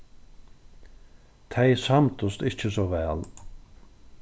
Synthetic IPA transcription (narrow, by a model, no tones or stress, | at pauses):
t̪ʰɛjsamt̪ʊst̪ɪht͡ʃəsɔʋɛːl